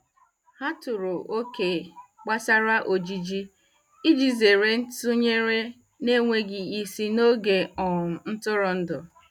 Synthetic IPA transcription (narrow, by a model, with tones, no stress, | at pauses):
ha˦tʊ˨ɾʊ˨ʔo˦ke˨k͡pa˦sa˦ɾa˦ʔo˨d͡ʒi˦d͡ʒi˦ | i˦d͡ʒi˦ze˨ɾe˦n̩˦tʊ˦ɲe˦ɾe˦ | ne˦ŋʷe˦ɡɪ˨i˦si˦no˦ɡe˨ɔ˨n̩˦tʊ˦ɾʊ˨n̩˦dʊ˨